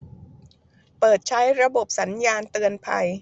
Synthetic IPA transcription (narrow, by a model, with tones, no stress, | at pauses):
pɤː˨˩t̪̚t͡ɕʰa˦˥jɾa˧bo˨˩p̚sa˩˦njaː˧nt̪ɯ˧ənpʰa̰˧j